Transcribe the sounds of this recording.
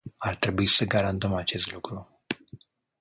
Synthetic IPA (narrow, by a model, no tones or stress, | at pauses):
art̪ɾe̞buisəɡaɾant̪əmat͡ʃe̞st̪lukɾu